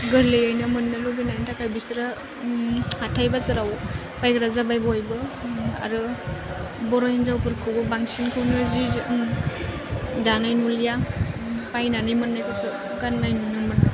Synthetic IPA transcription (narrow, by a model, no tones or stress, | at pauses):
ɡɯɾlejajnɯmɯnːɯluɡinajntʰakʰajbisɾa | atʰajbasɯɾaw | pajkɯɾazabajbɔɔjbɯa̰ɾɯ | bɔɾɔjinzawpɯɾkʰɯwbɯbaŋsinkʰɯwnɯzi | danajnulija | pajnanɯjmɯnːajkʰɯɾsɯ | ɡanːajnunɯmɯn